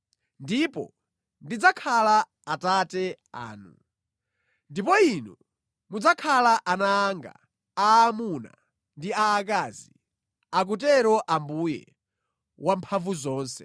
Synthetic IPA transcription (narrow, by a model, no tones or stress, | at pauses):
ndipɔ̰ | ndid͡zakʰala | atatɛ | a̰ːnṵ | ndipɔinɔ | mud͡zakʰalaʔanaːŋɡa̰ | aːmuna̰ | ndiaːkazi | ak̬utɛɾɔʔambujɛ̰ | wampʰavuzɔːnsɛ